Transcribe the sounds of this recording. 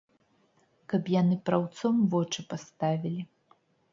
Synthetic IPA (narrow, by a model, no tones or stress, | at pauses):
kɐpjanɨpɾawt̪sɔmvɔt͡ʂɨpast̪avʲilʲi